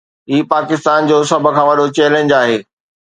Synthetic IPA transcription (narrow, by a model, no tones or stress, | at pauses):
ɦiːpaːkɪst̪aːnd͡ʑoːsɐbʱə̆kʰãːʋɐɗot͡ɕɛːlẽːɲd͡ʑaːɦeː